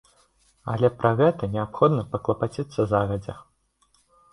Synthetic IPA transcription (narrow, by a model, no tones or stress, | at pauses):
ɐ̰lʲɛpɾɐɣɛt̪ɐnʲɛapxɔd̪nɐpɐklˠɐpat͡sʲit̪sːɐzaɣɐd͡zʲɛ̰